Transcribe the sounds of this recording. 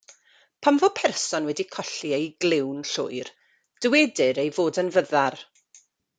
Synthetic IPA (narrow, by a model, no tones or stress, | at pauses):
pʰamvopʰɛrsɔnwɛdikʰɔɬiejɡlɪwnɬʊ̰jr | d̥əwɛdɪɾejvoːdənvəðar